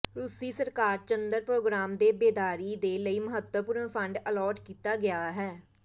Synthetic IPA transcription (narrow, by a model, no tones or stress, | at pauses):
ɾusiːsəɾkaːɾt͡ʃənd̪əɾpɾoːɡɾaːmd̪eːbeːd̪aːɾiːd̪eːləiːməɦət̪ːəpuɾəɳpʰəɳɖəlɔːʈkiːt̪aːɡɪaːɦɛː